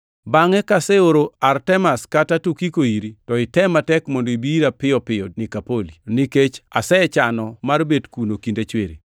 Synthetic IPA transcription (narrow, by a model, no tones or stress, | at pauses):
baŋɛkasɛoɾoartɛmaskatatukikoiɾitɔɪtɛmatɛkmɔndoibiiɾapɪɔpɪɔnikapoliniket͡ʃasɛt͡ʃanɔmarbedkunokindet͡ʃweɾḭ